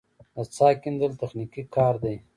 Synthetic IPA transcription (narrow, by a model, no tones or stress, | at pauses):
at͡sɑːkind̪əlt̪ɐxnikikɑːɾd̪aj